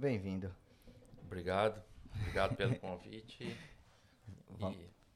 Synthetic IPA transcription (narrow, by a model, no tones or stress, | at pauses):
bẽj̃vĩnd̪ʊ | bɾiɡad̪ʊbɾiɡad̪ʊpelʊkõvḭt͡ʃɪ | v